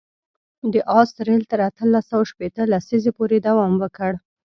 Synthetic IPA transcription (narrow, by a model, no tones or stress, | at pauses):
d̪əʔɑst̪ɾelt̪əɾat̪əlːasawaʃpet̪əlasizepoɾed̪awɑmwəkəɽ